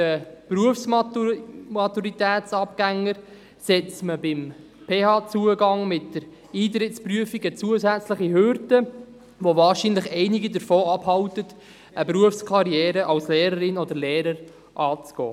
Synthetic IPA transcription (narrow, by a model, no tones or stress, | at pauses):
əpɾuəfsm | mɑt̪uɾit̪æːt͡sɑpɡ̥æŋːəɾ | sɛt͡sməbɪm | pʰeːhɑːt͡suəɡɑŋmɪtdəɾ | iːt̪̬ɾɪtspryəfiɡət͡suəzæt͡sləχiɦøɾdə | ʋovɑːɾʃinləχɛɪniɡidəɾfoːɑbhɑwtət | əpɾuəfskʰɑɾjɛːɾəʔɑwslɛːɾəɾɪnɔd̪əɾlɛːɾəɾ | ʔɑːt͡sɡ̥ɔ̰ː